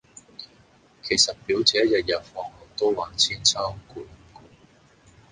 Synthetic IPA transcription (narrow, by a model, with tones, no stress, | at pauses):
kʰe˨˩jsɐ˨t̚piː˨˥wt͡sɛː˨˥jɐ˨t̚jɐ˨t̚fɔː˨˧ŋhɔ˨˩k̚t̪o˥wwaː˨˥nt͡sʰiː˥nt͡sʰaː˥˨kuː˨˧n˨˩ku˧